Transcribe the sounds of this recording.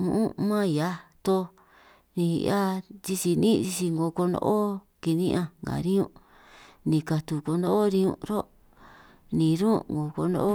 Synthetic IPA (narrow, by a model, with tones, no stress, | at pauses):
mũ˧ʔũ˦mã˦˧ja˧t̪o˧ | nḭ̃˧a˦t͡ʃi˧t͡ʃi˧nĩ˦t͡ʃi˧t͡ʃi˧ŋɡo˨˧ko˧ndo̰˧˦ʔo˦ | ki˧nĩ˦ʔã˧ŋɡa̰˨ɾĩ˦ũ˧ | nĩ˧ka˧t̪u˧ko˧nd̪o˦o˦ɾĩ˧ṵ̃˧ɾo˦ | nĩ˨ɾũ˦ŋɡo˨ko̰˧no̰˦o˦